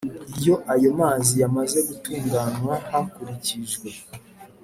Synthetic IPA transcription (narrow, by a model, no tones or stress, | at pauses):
ijo̞ʔajo̞maːzijamaze̞ɡutuːŋɡanwahakuɾiciʒɡwe̞